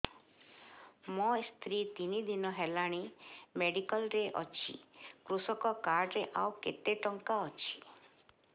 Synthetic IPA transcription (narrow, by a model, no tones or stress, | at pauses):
mɔst̪ʰɾit̪inid̪inɔɦelaɽ̃imeɖikɔlɾeʔɔ̰t͡ʃʰḭkɾusɔkɔkaɾɖɾeʔawket̪eʈɔŋkaɔt͡ʃʰi̥